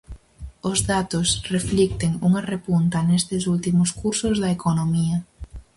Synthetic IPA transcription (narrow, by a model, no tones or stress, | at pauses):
ʊzðat̪osreflik̚t̪eŋuŋɐrepunt̪ɐnest̪ɪsult̪imʊskuɾsʊzðɐekonomiɐ